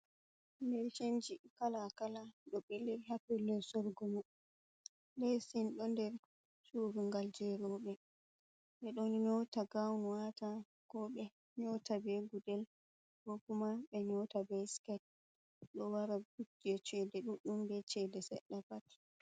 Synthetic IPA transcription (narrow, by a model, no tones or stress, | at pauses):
ndɛɾt͡ʃend͡ʒikalakalaɗɔɓilːiɾhapɛlːɛsɔɾɡɔmu | lɛsinɗɔndɛɾ | suɾuŋɡald͡ʒɛɾɔɓɛ | ɓɛɗɔnɲɔwtaɡawnwata | kɔɓɛ | ɲɔtabeɡudɛl | kɔkumaɓɛɲɔwtabɛskɛt̚ | ɗɔwaɾaɡutːiɛt͡ʃɛdɛɗuɗumdɛt͡ʃɛdɛsɛ̰ɗːapat